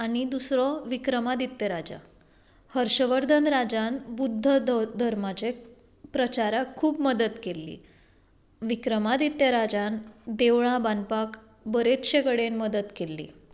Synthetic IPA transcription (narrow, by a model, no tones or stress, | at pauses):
aɽ̃id̪usɾɔʋikɾəmad̪it̪jəɾad͡ʑa̰ | həɾɕəʋəɾd̪ʱənɾad͡ʑanbud̪ʱːəd̪ʱəɾmat͡ɕe | pɾət͡ɕaɾakʰːuːpməd̪ət̪kelːḭː | ʋikɾəmad̪it̪jəɾad͡ʑand̪eʋɭãbanpak | bəɾet̪ɕekəɽenməd̪ət̪kelːḭː